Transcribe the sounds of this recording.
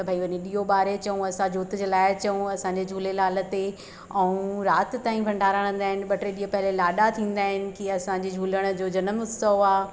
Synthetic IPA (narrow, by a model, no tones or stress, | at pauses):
tt̪ɐbʱaːiʋɐɲeɗiːɦoɓaːɾet͡ɕɐũɐsãd͡ʑʱoːt̪d͡ʑeːlaːɪt͡ɕɐũɐsãɲd͡ʑed͡ʑʱuːlelaːlə̆t̪e | ɛũɾaːt̪ɪ̆t̪ːaːĩpɐ̃ɳɖʱaːɾãɽə̃ːn̆d̪aːɦɪnɪ̆ɓɐʈɾeɗiːɦopɐɦɪlelaːɗat̪ʰĩːn̆d̪aːɦɪnɪ̆kiɐsãɲd͡ʑed͡ʑʱuːləɽ̃ə̆d͡ʑoːd͡ʑɐnəmʊsəʋaː